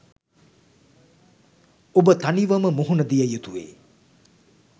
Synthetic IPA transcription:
obət̪aniʋɐməmuɦunəd̪ijɐjut̪uʋḛː

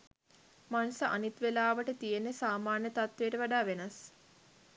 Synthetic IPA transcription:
manusəʔa̰nit̪ʋelaːʋəʈət̪ijenːesaːmaːnjət̪at̪ʋejəʈəʋaɖaːʋenas

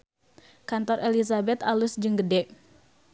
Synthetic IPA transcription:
kant̪ɔrʔelisabɛt̪alusd͡ʒəŋɡədɛʔ

